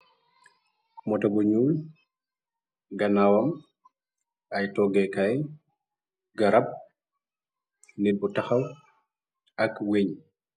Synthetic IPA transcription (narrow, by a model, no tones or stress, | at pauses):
mɔtabɔɲuj | ɡanawam | ʔajtɔɡɛkaj | ɡaɾab̚ | nibɔtaxaw | ʔakweɲ